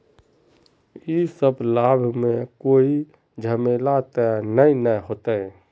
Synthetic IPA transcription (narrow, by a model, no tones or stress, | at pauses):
isəblaːbʱmẽkoːi | d͡ʒʱəmeːlat̪ɛnəinəɦoːt̪ɛ̃